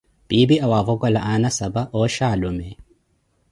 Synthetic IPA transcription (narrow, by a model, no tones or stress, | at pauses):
b̥ibiʔawavɔɡwalaʔanasabaʔɔʃaːlumɛ